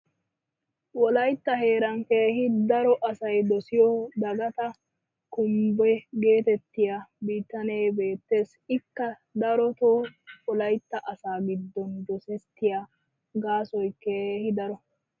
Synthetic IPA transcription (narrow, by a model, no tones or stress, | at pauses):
wɔlɐjt̪ːɐɦe̞ːɾɐŋkeːɦɪd̪ɐɾɔʔɐsɐjd̪ɔsɪjɔd̪ɐɡɐt̪ɐ | kʊmbɛɡe̞ːt̪ɛt̪ːɪjabiːt̪ːɐne̞ːbe̞ːt̪ːe̞ːs | ɪkːɐ | d̪ɐɾɔt̪oːɔlɐjt̪ːɐʔɐsaːɡɪd̪ːɔnd̪ɔsɛt̪ːɪja | ɡaːsɔjkeːhɪd̪ɐɾɔ